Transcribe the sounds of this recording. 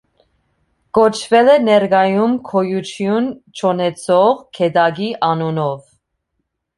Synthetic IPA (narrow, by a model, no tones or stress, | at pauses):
kɔt͡ʃʰvɛlɛnɛɾɡɑjumkʰɔjut͡ʃʰjunt͡ʃʰɔnɛt͡sʰɔʁkʰɛd̪ɑɡiʔɑnunɔv